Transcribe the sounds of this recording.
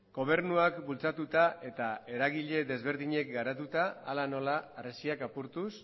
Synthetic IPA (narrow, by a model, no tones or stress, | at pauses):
ɡo̞β̞e̞ɾnuakbult͡sat̪ut̪ae̞t̪ae̞ɾaɣiʎe̞ðe̞zβe̞ɾðiɲe̞k̚ɡaɾat̪ut̪aːlano̞laːresiakapuɾt̪us